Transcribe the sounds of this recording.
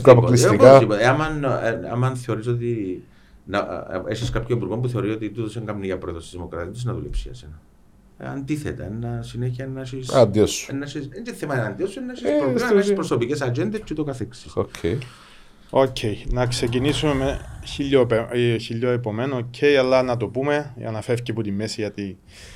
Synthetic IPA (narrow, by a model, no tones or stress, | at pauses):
ɐpoplisikkaipoeamɐna̰mɐnθe̞o̞ɾis̬o̞t̪̬i | nɐ̰esiskapçoipuɾɣompuθe̞ɾiso̞t̪it̪ut̪oseŋɡɐmniʝɐpɾoiðost̪izðimo̞kɾɐt̪it̪isznɐðulḛpsiɐ̰senɐ | ɐ̰nd̪iθḛt̪ɐ̰enːɐsineçiɐenːɐsisɐnd̪iosːu̥enːɐsisend͡ʒ̪eθemɐɐnd̪iosːuenːɐsiipɾosopicesɐd͡ʒend̪est͡ʃet̪okɐθeksi̥socʰːe | ocʰːe̞jnɐkse̞c̬inisumemeçiʎːopçiʎːoepo̞menoocʰːejɐlːɐnɐt̪̬o̞pume̞ɐ̰nɐfefceput̪imːesiʝɐt̪i